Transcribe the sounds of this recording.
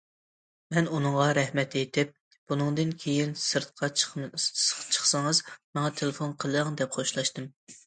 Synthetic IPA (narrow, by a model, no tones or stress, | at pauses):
mɛnunɨŋʁɑɾɛhmɛt̪et̪ʰɪp̚ | b̥unɨŋd̪ɨnkʲʰejinsɨɾt̪̚qʰɑ | t͡ʃʰə̥χsɨŋɨzmɑŋɑt̪ʰelˠɪfonqʰəlˠŋd̪ɛp̚χʰoʃlˠɑʃt̪ɨm